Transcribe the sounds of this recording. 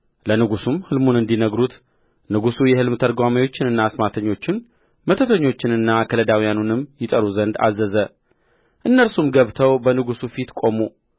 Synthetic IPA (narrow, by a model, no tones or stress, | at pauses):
lənɨɡusumhɨlmunɨnd̪inəɡɾut̪ | nɨɡusujɛhɨlmt̪ʰəɾɡʷamajo̞t͡ʃːɪnɨnːaːsmat̪ʰəɲːo̞t͡ʃːɪn | mət̪ʰət̪ʰəɲːo̞t͡ʃːɪnɨnːakʰələd̪awijanunɨmjɪt̪ʼəɾuzənd̪a̰zːəzə | ʔɨnːəlsumɡəβt̪ʰəwbənɨɡusufit̪kʼo̞mu